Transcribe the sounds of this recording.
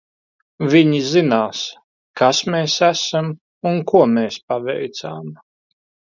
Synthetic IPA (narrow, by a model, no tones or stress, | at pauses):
viɲizinaːs | kasmeːsæsam | unkuɔmeːspavɛ̰jt̪sa̰ːm